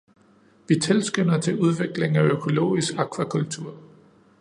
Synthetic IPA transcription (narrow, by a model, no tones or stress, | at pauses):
ʋit͡sʰe̝lsɡ̥ønɐt͡sʰe̝uð̞ˠʋe̝ɡ̥le̝ŋ̩æøkʰo̝lo̝̰ːisɡ̥ɑ̈kʰʋækʰult͡sʰuɐ̰